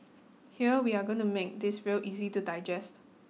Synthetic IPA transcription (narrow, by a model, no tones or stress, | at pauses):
hiəwiaɡõntumek̚dɪsɹilʔizitudaɪd͡ʒɛst